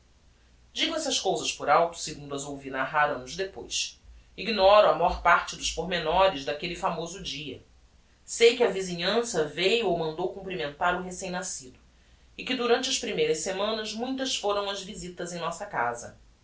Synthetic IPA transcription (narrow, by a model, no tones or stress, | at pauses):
d͡ʒiɡʊɛsɐskowzɐʃpʊɾawt̪ʊ̥sɪɡũnd̪ʊɐzowvinaɦaɾɐ̃nʊzd̪epo̰js | iɡnɔɾʊɐmajɔɾpaɾt͡ʃɪd̪ʊʃpoɦmenɔɾɪzd̪akelɪfamozʊd͡ʒiɐ̰ | sejkɪɐviziɲɐ̃sɐvejuowmɐ̃nd̪owkũmpɾimẽnt̪aɾʊɦesẽj̃nasid̪ʊ | ɪkɪd̪uɾɐ̃nt͡ʃɪɐʃpɾimejɾɐʃsemɐ̃nɐzmũj̃t̪ɐsfoɾɐ̃w̃ɐzvizit̪ɐzẽj̃nɔsɐka̰zɐ̰